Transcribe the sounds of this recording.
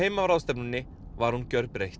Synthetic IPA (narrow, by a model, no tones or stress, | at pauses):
ejmaɾawst̪ɛpnʏnːɪ | vaɾ̥huncœɾpɾejht̪